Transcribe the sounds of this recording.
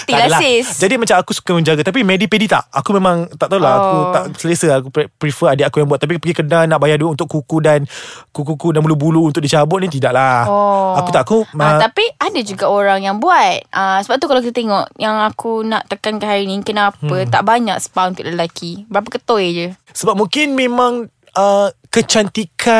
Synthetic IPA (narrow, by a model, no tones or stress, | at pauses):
t̪alalaɪsd͡ʒadimat͡ʃamakusu̥kamə̃ɲd͡ʒaɡat̪ap̬imɛdipedit̪a̰ʔakumẽmãŋt̪aʔt̪aulaakut̪aʔsələsəakuppɾifəadəakujaŋbuat̪̚ːap̬ipəɡikənanaʔbajaduəʔunt̪ʊʔkːukudankukukudanbulubuluunt̪ʊʔ̚dit͡ʃabʊʔ̪̚nĩt̪̬idaʔlahɔaut̪aʔkuat̪apiadad͡ʒuɡaoɾaŋjaŋbuat̪̚əsəbap̚t̪ukalawkit̪ət̪eŋɔʔjaŋakunaʔt̪əkankahaɾinĩkənapət̪a̰ʔbaɲa̰ksə̥paunt̪ʊ̰ʔləəlakibəɾapəkət̪ɔjd͡ʒə | səbap̚mũŋkɪnmẽmãŋ | əkət͡ʃant̪ikʰa